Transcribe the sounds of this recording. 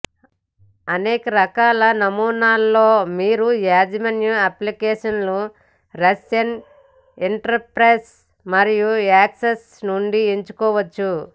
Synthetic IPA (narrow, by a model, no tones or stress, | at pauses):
ɐneːkɐɾɐkaːlɐnɐmuːnaːlːoːmiːɾujaːd͡ʒɐmɐnjuɐplikeːʂɐnlu | ɾesen | iɳʈɐɾpɾeːs | mɐɾijuaːkses | nuɳɖieɲt͡ʃu̥kɔːʋɐt͡ʃːu